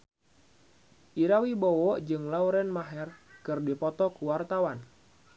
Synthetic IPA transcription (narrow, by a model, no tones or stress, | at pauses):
ʔiɾawibɔwɔʔd͡ʒɨŋlauɾɛnmaɦɛrkɨrdipɔt̪ɔkuwart̪awan